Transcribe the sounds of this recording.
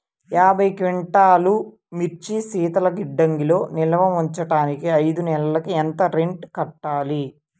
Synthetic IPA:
jaːbʱɐjkʋiɳʈaːlu | miɾt͡ʃisiːt̪ɐlɐɡiɖːɐŋɡilo̞ːnilɐʋɐmuɲt͡ʃɐʈaːnikiɐjd̪unɛlɐlɐkient̪ɐɾeɳʈkɐʈːaːli

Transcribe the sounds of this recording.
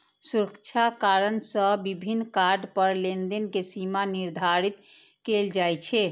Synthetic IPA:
suɾəkt͡ʃʰakaɾənsə̃bibʱinːkaɾɖpəɾlend̪enkesimaniɾd̪ʱaɾit̪ | keld͡ʒajt͡ʃʰɛ

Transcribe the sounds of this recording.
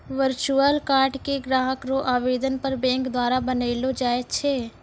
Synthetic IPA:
ʋəɾt͡ʃuəlkaːɾɖkeɡɾaːɦəkɾoʔaːʋeːd̪ənpəɾbɛ̃ːŋkd̪waːɾabəneɪlod͡ʒaːet͡ʃʰeː

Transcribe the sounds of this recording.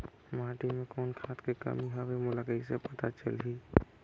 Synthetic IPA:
maːʈimẽkɔːnkʰaːt̪kekə̰miɦaʋemʊlakəisepət̪at͡ʃə̰lɦi

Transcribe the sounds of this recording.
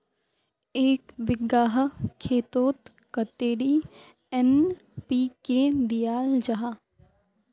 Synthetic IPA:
eːkʋɪɡaːɦkʰeːt̪oːt̪ | kɐt̪eːɽiː | ɛn | piːked̪ijaːld͡ʒaɦaː

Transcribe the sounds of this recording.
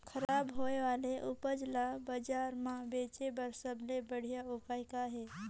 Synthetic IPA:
kʰəɾaːbɦoːeʋaːleʔʊpəd͡ʒlabad͡ʒaːɾmãbeːt͡ʃebəɾsəblebəɽ̤ijaʊːkaːɪkaɦɛː

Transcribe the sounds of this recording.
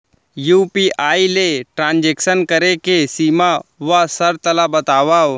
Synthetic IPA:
juːpiːʔaːileʈɾãːnd͡ʒeːksənkəɾekesiːmaʋasəɾt̪əlabət̪aːʋaː

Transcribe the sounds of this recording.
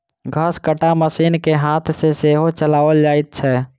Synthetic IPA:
ɡʱəskəʈaməsiːnkeɦaːt̪ʰseseːɦot͡ʃəlaːʋəld͡ʒaːit̪̚t͡ʃʰɛː

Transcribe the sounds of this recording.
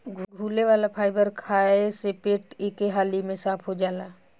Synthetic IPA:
ɡʱɡʱuːleʋaːlapʰaːɪbəɾkʰaːesepeːʈeːkeɦaːlimẽsaːpʰɦod͡ʒaːlaː

